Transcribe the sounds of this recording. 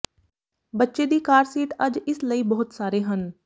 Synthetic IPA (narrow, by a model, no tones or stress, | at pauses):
bətːʃeːd̪iːkaːɾsiːʈəd͡ʒɪsləiːbəɦʊt̪saːɾeːɦən